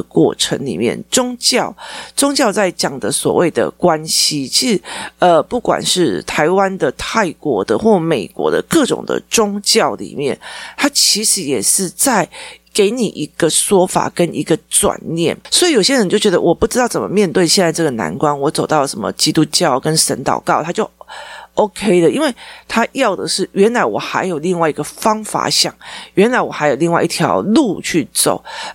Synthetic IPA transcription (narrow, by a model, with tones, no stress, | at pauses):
kwɔ̰˥˩ʈ͡ʂʰə̰˧˥ŋlḭ˨˩mjɛ̰˥˩nʈ͡ʂʊ˥ŋt͡ɕjɑ˥˧˩ʊʈ͡ʂʊ˥ŋt͡ɕjɑ˥˧ʊt͡sa˥˩ɪt͡ɕjɑ˨˩ŋd̪ə˦swɔ̰˨˩we˥˩ɪd̪ə̰˩kwa˦nɕi˨t͡ɕʰi˧˥ʂɻ̩˨˩˦ə˨˧pu˥˩kwa̰˨˩nʂɻ̩˥˩t̪ʰa˧˦ɪwa˦nd̪ə˨t̪ʰa˥˩ɪkwɔ̰˧˥d̪ə̰˧xwɔ˥˩me˨˩ɪkwɔ̰˧˥d̪ə̰˧kɤ˥˨ʈ͡ʂʊ̰˨˩ŋd̪ə̰˩ʈ͡ʂʊ˥ŋt͡ɕjɑ˥˩ʊlḭ˨˩mjɛ̰˥˩nt̪ʰa˥t͡ɕʰi˧˥ʂɻ̩˧˥jɛ˨˩ʂɻ̩˥˧t͡sa˥˩ɪke˧˥ɪni˨˩ʔi˧˥ɡ̥ə˨ʂwɔ˥fa̰˨˩kə˦nʔi˧˥ɡə˧t͡swa̰˨˩nːjɛ̰˥˩nswɔ˧˥i˨˧jo˨˩ɕjɛ˥ɻə˧˦nt͡ɕjo˥˩ʊt͡ɕɥʲɛ˧˥d̪ə̰˧wʔɔ˨˩pu˥˩ʈ͡ʂɻ̩˥ɑ˥˩ʊt͡sə˨˩mə̰˦mjɛ˥˧nt̪we˥˧ɪɕjɛ˥˧nt͡sa˥˧ɪʈ͡ʂɤ˥˩ɡə˩na̰˧˥nkwa˥nwɔ˧˥t͡so˨˩ʊt̪ɑ˥˩ʊlə˩ʂə˧˦nmə̰˧t͡ɕi˥t̪u˥t͡ɕjɑ˥˩ʊkə˦nʂə̰˧˥nt̪ɑ̰˨˩ʊkɑ˥˩ʊt̪ʰa˥t͡ɕjo˥˩ʊo˥ʊkʰe˥ɪlə˨i˥nwe˥˩ɪt̪ʰa˥jɑ˥˩ʊd̪ə˩ʂɻ̩˥˩ɥɛ˧˥nla˧˥ɪwɔ˨˩xa˧˥ɪjo˨˩ʊli˥˧ŋwa˥˩ɪi˧˦ɡ̥ə˨fɑ˥ŋfa̰˧˩˦ɕjɑ̰˥˩˦ŋɥɛ˧˥nla˧˥ɪwɔ˨˩xa˧˥ɪjo˨˩ʊli˥˧ŋwa˥˧ɪ˧i˥˩t̪ʰjɑ̰˧˥ʊlu˥˧t͡ɕʰy˥˩t͡so̰˨˩˦ʊ